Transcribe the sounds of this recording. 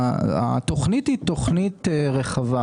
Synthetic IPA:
a̰t̪oχnithit̪oχnit̪eʁeχava

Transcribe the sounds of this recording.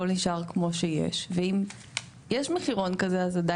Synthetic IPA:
olniʃʔaʁkmo̞ʃejḛʃveim | jeʃmeχiʁo̞nkazeazada

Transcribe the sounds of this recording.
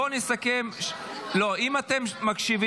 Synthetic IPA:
onisakemʃ | lo̞imat̪e̞mːakʃivi

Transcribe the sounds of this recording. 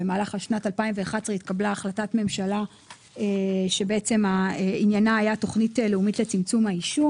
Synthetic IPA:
emaːlaχaʃnatalpaimveaχadsʁeitkablaːχlatatme̞mʃala | eʃe̞be̞et͡se̞mainjanaːjato̞χniteleumitlet͡simt͡sumaiʃu

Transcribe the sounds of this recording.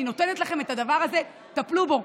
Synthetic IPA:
ino̞t̪e̞ne̞t̪laχe̞me̞tad̪avaʁaze̞ | taplubo

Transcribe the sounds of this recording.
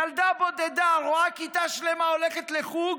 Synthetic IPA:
ald̪abo̞d̪ed̪aʁoakit̪aʃlemaoleχet̪leχuɡ

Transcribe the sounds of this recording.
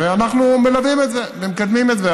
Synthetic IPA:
veanaχnumelavimet̪zevemkad̪mimetze

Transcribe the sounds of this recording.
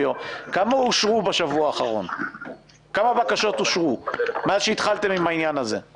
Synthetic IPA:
okamauʃʁubaʃavuaːχaʁo̞̰n | kamabakaʃo̞t̪uʃʁumazʃeit̪χalt̪emimainjanazḛ

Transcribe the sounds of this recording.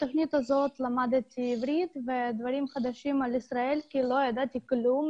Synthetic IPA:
t̪oχnit̪hazo̞t̪lamad̪t̪iivɾid̪ved̪vaɾimχad̪aʃimalisɾaelkilo̞jad̪at̪iklum

